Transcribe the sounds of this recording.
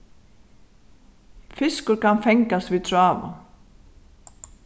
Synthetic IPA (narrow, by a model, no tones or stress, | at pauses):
fɪskʊɾkanfɛŋkast̪vit̪ʰɾaːva̰